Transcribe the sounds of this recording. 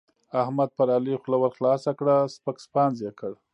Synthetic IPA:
ahmad̪̚paɾalixlawaɾxlɑsakɽaspəkspɑnzjekʰəɽ

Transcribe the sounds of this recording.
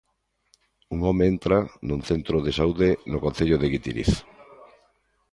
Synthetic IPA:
uŋɔmeent̪ɾanʊŋθent̪ɾoðesauðenokonθeʎoðeɣit̪iɾḭθ

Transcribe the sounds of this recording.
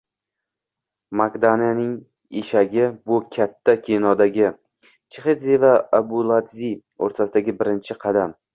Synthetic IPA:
maɡd̪anijanɪŋ | eʃaɡʲɪbʊkʲʰat̪ʰːakʲʰenɒd̪aɡʲɪ | t͡ʃʰeχed̪zevaabʊlˠad̪zio̰ɾt̪ʰasɪd̪aɡʲɪbɪɾɪnt͡ʃʰɪqʰɑd̪am

